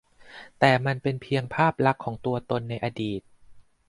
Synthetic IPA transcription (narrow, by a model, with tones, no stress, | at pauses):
t̪ɛː˨˩ma˧npe˧npʰi˧əŋpʰaː˥˩p̚la˦˥kʰːɔː˩˦ŋt̪u˧ɐt̪o˧nːa˧jʔa˧diː˨˩t̪̚